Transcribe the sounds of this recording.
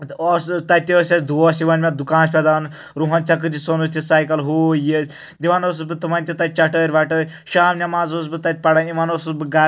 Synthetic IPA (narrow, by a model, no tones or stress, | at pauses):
ɔst̪ɐt̪̚ʲt̪ʲiəsʲɐsd̪ʱuɔsiʋɐnʲmʲɐd̪ukãːnspʲɛd̪aːn | ɾuɦɐnʲt͡ʃɐk̬ɨd͡ʒisonust̪ʲisaːjkɐlɦoːjesʲ | d̪iʋanos̬usbɨt̪ɨmɐnʲt̪ʲit̪ɐt̪̚ʲt͡ʃɐʈəːɾʲʋaʈəːɾʲ | ʃaːmnʲɐmaːzos̬bɨt̪ɐt̪̚ʲpɐɽaːnimanosusbɨɡa